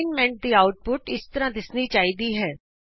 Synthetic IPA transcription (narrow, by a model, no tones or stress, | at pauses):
nmɛ̃ɳʈ̚d̪iːaːʊʈ̚pʊʈɪst̪əɾãːd̪ɪsniːt͡ʃaːɦid̪iːɦɛː